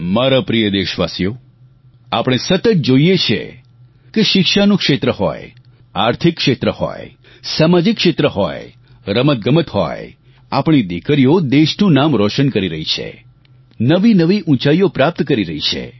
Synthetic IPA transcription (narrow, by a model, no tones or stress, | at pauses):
maɾapɾijəd̪eʃʋasjo | apəɽ̃esət̪ət̪̚d͡ʒoijet͡ʃʰḛ | keʃɪkʃanũkʃet̪ɾəhɔ̰j | aɾt̪ʰikːʃet̪ɾəhɔ̰j | samad͡ʒikːʃet̪ɾəɦɔ̰j | ɾəmət̪̚ɡəmət̪hɔ̰j | a̰pɳ̃id̪ikəɾijod̪eʃnũnamɾɔʃənkəɾiɾəɦit͡ʃʰḛ | nəʋinəʋiʔũt͡ʃaiopɾap̚t̪kəɾiɾəɦit͡ʃʰḛ